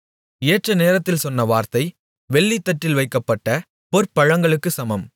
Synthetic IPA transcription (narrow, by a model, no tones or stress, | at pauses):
eːʈrɐneːɾɐt̪ːɪlsɔnːɐʋaːɾt̪ɐɪ | ʋɛɭːit̪ːɐʈːɪlʋɐɪkːɐpːɐʈːɐ | pɔɾpːɐɻɐŋɡɐɭɯkːɯsɐmɐm